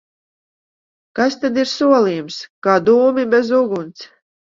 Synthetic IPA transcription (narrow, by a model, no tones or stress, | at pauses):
kast̪ad̪iɾsuɔlˠiːjumskaːd̪uːmibɛzuɡunt̪s